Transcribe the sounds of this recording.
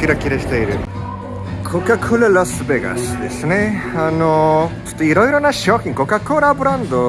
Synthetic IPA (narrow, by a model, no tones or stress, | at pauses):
kʲiɾakʲiɾeɕi̥t̪eiɾɯ̟ | kʰokakʰoɾaɾasɨbeɡa̰sɨd̪e̞sɨne̞anot͡ɕo̥t̪ːoiɾo̞iɾo̞naɕo̞ːçʲĩŋko̞kakoːɾabɯ̟ɾãnd̪o